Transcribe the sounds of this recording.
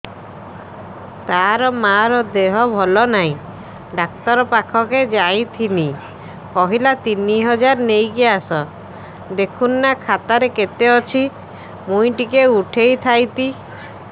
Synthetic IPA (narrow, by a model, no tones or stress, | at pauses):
t̪aɾɔmaɾɔd̪eɦɔbʱɔlɔnaɦĩ | ɖak̚t̪ɔɾɔpakʰɔked͡ʒaj̃t̪ʰini | kɔɦilat̪iniɦɔd͡ʒaɾnejkiasɔ | d̪ekʰunːakʰat̪aɾeket̪eɔt͡ʃʰi | mũj̃ʈikeuʈʰejt̪ʰajt̪i